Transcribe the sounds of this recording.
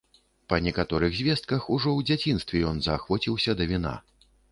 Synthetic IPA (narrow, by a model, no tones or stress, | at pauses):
pɐnʲɛkat̪ɔɾɨɣzʲvʲɛst̪̚kɐxuʐɔwd͡zʲat͡sʲin̪st̪vʲɛjɔnzɐxvɔt͡sʲiwsʲɐd̪ɐvʲina̰